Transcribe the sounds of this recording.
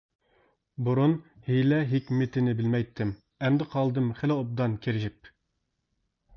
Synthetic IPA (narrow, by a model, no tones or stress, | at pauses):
buɾunhilɛɦɪkʲmɪt̪ʰɪnɪbɪlmɛjt̪ʰːɪm | ɛmd̪ɪqʰɑlˠd̪ɨmχɪlɪop̚d̪ɑnkʲʰeɾɪʒɪp̚